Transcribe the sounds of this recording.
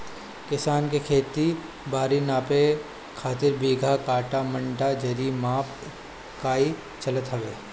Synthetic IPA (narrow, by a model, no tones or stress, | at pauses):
kɪsaːnkekʰeːt̪i | baːɾinaːpe | kʰaːt̪ɪɾbiːɡʱakaːʈamɐ̃ɳʈad͡ʒɐɾimaːp | kaːi | t͡ʃɐlət̪ɦɐʋeː